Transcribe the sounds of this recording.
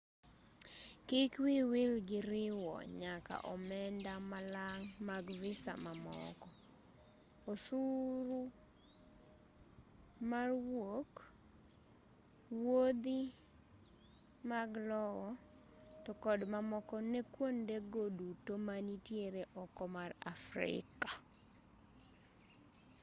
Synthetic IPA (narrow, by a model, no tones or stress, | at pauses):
kikwiwɪlɡɪɾɪwɔ̰ɲaka̰ʔɔmɛndamalaŋmaɡvɪsa̰mamɔ̰kɔ | osuɾu | marwok | wod̪i | maɡlɔwɔ | tɔkɔdmamɔkɔnɛkwondeɡodutomaɲitjeɾeʔɔkɔmara̰fɾɪ̰ka